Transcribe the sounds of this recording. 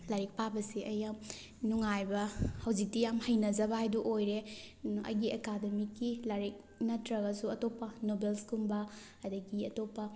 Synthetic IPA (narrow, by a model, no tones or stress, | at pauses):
laɾik̚pabɐsiʔɐjːam | nuŋajbɐhɐwzik̚tijamhɐjnɐzɐbaajduʔojɾeɐ̰jɡiekademikːilaɾik̚ | nɐtɾɐɡɐsuɐtopːɐnobelskumbɐ | ɐdɐɡiɐtopːɐ